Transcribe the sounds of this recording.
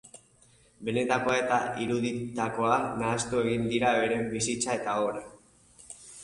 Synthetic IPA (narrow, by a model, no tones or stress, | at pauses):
be̞ne̞t̪ako̞aet̪aiɾuðit̪ako̞anaːst̪ue̞ɣ̞ind̪iɾaβe̞ɾe̞bisit͡sae̞t̪aoɾe